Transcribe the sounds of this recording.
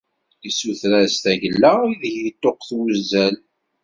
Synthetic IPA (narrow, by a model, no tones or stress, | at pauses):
isuθɾæst̪æʝəlːaiðçit̪ːoqθwzæl